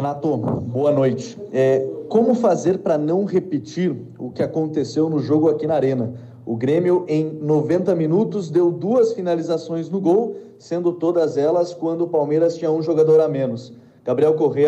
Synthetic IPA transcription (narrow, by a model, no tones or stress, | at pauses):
nat̪oboɐnojt͡ʃɪ̥ɛkõmʊfazeɾpɾɐnɐ̃w̃ʁepɪt͡ʃiɾ | ʊkɪakõnt̪esewnʊʒoɡʊakinɐaɾẽnɐ | ʊɡɾẽmiʊʔẽj̃novẽnt̪ɐminut̪ʊzd̪ewd̪uɐsfinalizasõj̃znʊɡow | sẽnd̪ʊt̪od̪ɐzɛlɐskwɐ̃nd̪ʊːpawmejɾɐst͡ʃĩɲɐũʒoɡad̪oɾamẽnʊs | ɡ̥abɾiɛwkoɦejɐ